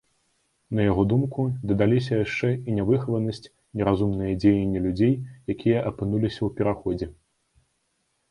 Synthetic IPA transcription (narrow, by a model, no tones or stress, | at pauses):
nɐjaɣɔd̪umkud̪ɐd̪alʲis̬ʲɐjaʂt͡ʂɛinʲɛvɨxvɐnɐsʲt͡sʲ | nʲɛɾazumnɨjɐd͡zʲejɛnʲːilʲud͡zʲejjakʲijɐʔɐpɨnulʲisʲɐwpʲɛɾaxɔd͡zʲɛ